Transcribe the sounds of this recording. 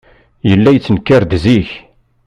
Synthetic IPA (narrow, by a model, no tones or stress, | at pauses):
jəlːæjət͡sːənkːaɾd̪ziç